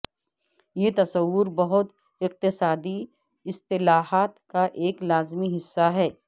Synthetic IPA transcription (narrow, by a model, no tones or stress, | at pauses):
jet̪ɐsɐwːʊɾbɐɦʊt̪ | ɪq̚t̪ɪsaːd̪i | ɪst̪ɪlaːɦaːt̪kaʔeːklaːzmiɦɪsːaɦɛː